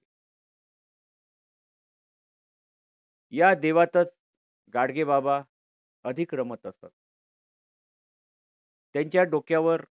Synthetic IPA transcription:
jad̪eʋat̪ət͡s | ɡaɽɡebaba | əd̪ʱikɾəmət̪əst̪a̰t̪̚ | t̪jãɲt͡ɕjaɖokjaʋəɾ

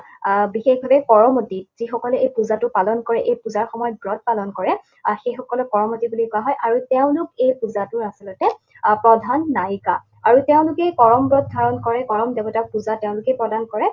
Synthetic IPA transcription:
bixexbʱabɛkɔɹɔmotiz̥ixɔkɔlɛejpuzatʊpalɔnkɔɹɛʔejpuzaɹxɔmɔjɔt̚bɹɔt̚palɔnkɔɹɛ | xejxɔkɔlʊkɔɹɔmotibulikɔaɦɔjʔaɹuteʊ̃lʊk̚ejpuzatʊɹasilɔtɛ | pɹɔdʱanːajka | aɹuteʊ̃lʊkɛkɔɹɔmbɹɔt̚dʱaɹɔnkɔɹɛkɔɹɔmdebɔtaɹ̚puzatɛʊ̃lʊkejpɹɔdankɔɹɛ

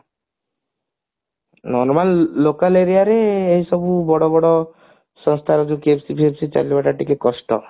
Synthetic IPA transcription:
nɔɾmalːokaleɾiaɾeːɦisɔbubɔɽɔbɔɽɔ | sɔŋst̪ʰaɾɔd͡ʒukepsipʰiepsit͡ʃa̰libaʈaʈikekɔsʈɔ̰

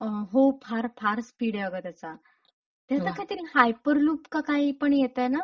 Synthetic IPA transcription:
əɦopʰaɾpʰaɾspiɽjaɡat̪jat͡sa | t̪jat͡s̪akʰat̪əɾiːhajpəɾluːpkakaɦiːpəɳjet̪ajna

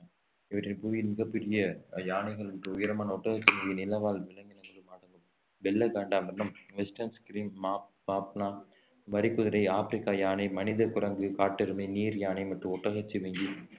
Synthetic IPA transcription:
ɪʋɐʈːɪnpuʋjmɪɣɐpːɛɾɪjɐjaːnɐɪɣɐɭɐʈrɯʊjɐɾɐmaːnɐɔʈːɐɣɐt͡ʃːimɐŋɡinɪlɐʋaːlʋɪlɐŋɡɪnɐmɐðɯmaːɽɐŋɡɯm | ʋɛlːɐɡaːɳɖaːmɐnːɐmʋɛsʈɐnskɾiːmːap | maːpnaː | ʋɐɾɪkːʊðɐɾɐɪaːfɪɾɪkːaːjaːnɐɪmɐnɪðɐkʊɾɐŋɡɯkaːʈːɪɾɯmɐɪniːɾjaːnɐɪmɐʈːrɯɔʈːɐɣɐt͡ʃːiʋɛŋɡi

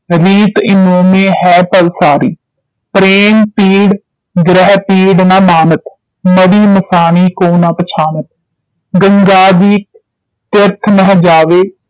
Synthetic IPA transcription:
ɾiːt̪ɪnoːmẽːɦɛːpəlsaːɾḭː | pɾeːmpiːɽ | ɡɾɛɦpiːɖnaːmaːnət̪ | məɾiːməsaːniːkoːnãːpət͡ʃʰaːnət̪̚ | ɡəŋɡaːd̪iː | t̪ɪɾt̪ʰnəɦd͡ʒaːʋeː

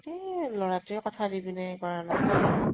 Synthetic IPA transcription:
tilɔɹatʊɛkɔtʰadibinakɔɹanaka

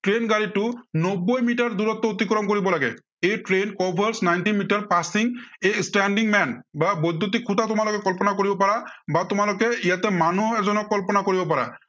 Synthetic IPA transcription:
ʈɹenɡaɹitʊnɔbːojmiʈaɹd̪uɾɔt̪ːɔot̪ikɹɔmkoɹibɔlaɡɛ̰ | ejʈɹenkɔbʱaɹsnajntinmiʈaɹpasiŋejsʈɛnɖiŋmɛnbabɔd̪ʱːut̪̬ikʰːut̪atʊmalʊkɛkɔlpɔnakoɹibɔpaɹabatʊmalʊkɛijat̪ɛmanuɛzɔnɔkːɔlpɔnakoɹibɔpaɹa̰

